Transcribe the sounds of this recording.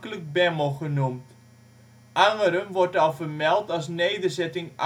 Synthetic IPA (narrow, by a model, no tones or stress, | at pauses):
kələk̚bɛməlˠχənumt | ʔaŋəɾənʋɔrtɔlˠvərmɛlˠtɑlˠsnejdərzɛtɪŋ